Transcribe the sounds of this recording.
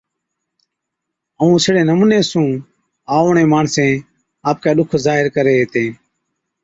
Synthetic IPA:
əũːsɪɽeːnəmũːneːsũː | aːɳeːmaːɳsẽː | aːp̚kaːɗʊkʰzaːɦɪɾkəɾeːɦeːt̪ẽː

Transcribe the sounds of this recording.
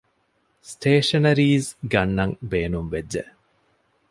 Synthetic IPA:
sʈʰeːʂɐnɐɾiːzɡɐnːɐŋbeːnumʋed͡ʒːḛ

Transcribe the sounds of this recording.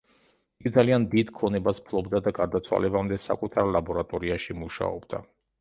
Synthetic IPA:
iɡid̪zaliand̪id̪kʰɔnɛbaspʰlˠɔbd̪ad̪aɡaɾd̪at̪sʰwa̰lɛbamd̪ɛsa̰kʼut̪ʰaɾlˠabɔɾat̪ʼɔɾiaʃimuʃa̰ɔbd̪̥a̰

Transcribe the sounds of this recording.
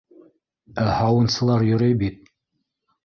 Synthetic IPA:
æhɑwɤ̆nsɤ̆lˠɑɾjɵ̆ɾɘjbit̪̚

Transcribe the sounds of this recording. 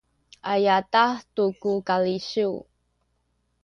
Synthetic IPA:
ʔajatahtukukaliɕu

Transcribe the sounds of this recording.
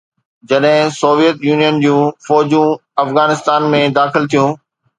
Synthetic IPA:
d͡ʑɐɗɦɪ̃soːʋijət̪juːnijənd͡ʑũːfɔːd͡ʑũɐfɣaːnɪst̪aːnmẽd̪aːxɪlt̪ʰijũː

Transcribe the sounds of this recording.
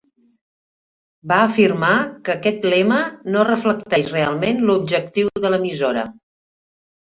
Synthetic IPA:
baəːfirmakəkɛt̪lɛmənorəfləkt̪ɛʃrealˠmenlub̚ʒəkt̪iwðələmizoɾə̰

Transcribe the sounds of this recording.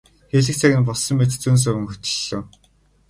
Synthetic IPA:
xeɮɘ̆k̚t͡sʰæɣʲɘ̆npɔɮsɞ̆mːet̪t͡suːns̬œwɵ̆ŋxɵt̪ɵ̥̆ɮŏː

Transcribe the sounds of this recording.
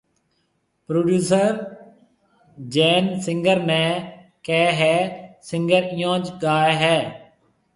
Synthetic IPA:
pɾoːɖjuːsəɾ | d͡ʒeːnsɪ̃ŋɡəɾmẽː | kɛːɦɛːsɪŋɡəɾɪjãːt͡ʃɡaːeɦɛː

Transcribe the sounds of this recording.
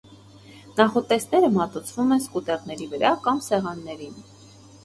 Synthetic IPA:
nɑχɔt̪ɛsnɛɾəmɑt̪ut͡sʰvumɛnskut̪ɛʁnɛɾivəɾɑkɑmsɛʁɑnːɛɾin

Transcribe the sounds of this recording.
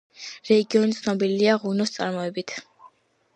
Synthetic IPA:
ɾɛɡiɔnit̪sʰnɔbiliaʁunɔst̪sʼa̰ɾmɔɛbit̪ʰ

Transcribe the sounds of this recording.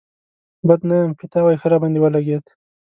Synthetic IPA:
bəd̪najamkɪt̪awajxəɾɑbɑnd̪iwəlaɡed̪

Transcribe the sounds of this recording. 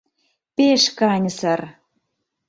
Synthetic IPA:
peʃkɑnʲsər

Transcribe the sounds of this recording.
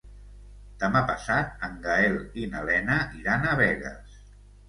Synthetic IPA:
d̪̥əmapəsat̪̚əŋɡaelinəlɛnəʔiɾanəβɛɣə̰s

